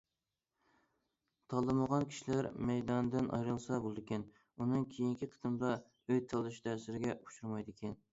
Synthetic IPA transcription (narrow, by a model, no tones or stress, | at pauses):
t̪ʰɑlˠːɨməʁɑnkʲʰi̥ʃilæɾmɛjd̪ɑnd̪ɪnʔɑ̰jɾɨlˠsɑbolˠɨd̪ɪkʲɛn | unɨŋkʲʰejiŋkʲiqʰə̥t̪ɨmd̪ɑ | øjt̪ʰɑlˠɨʃd̪ʰæsɪɾɪɡʲɛu̥ʃuɾmɑjd̪ɪkʲʰɛn